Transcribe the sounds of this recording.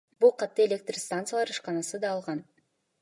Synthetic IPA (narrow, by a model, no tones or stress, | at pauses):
bulˠqʰɑt̪ːɯelʲe̞k̚t̪rst̪ant̪sɨjalˠɑɾɯʃqɑnɑsɯd̪ɑːlˠʁɑn